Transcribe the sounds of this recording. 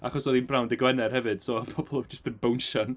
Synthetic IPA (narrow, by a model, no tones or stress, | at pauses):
a̰χɔsɔðinbrawndɪɡwɛnɛrhɛvɨd̥sɔːpʰɔbɔlˠd͡ʒəstənbownʃɔn